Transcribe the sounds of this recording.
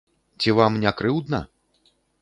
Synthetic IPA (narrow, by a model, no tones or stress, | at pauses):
t͡sʲivamnʲakɾɨwd̪nɐ̰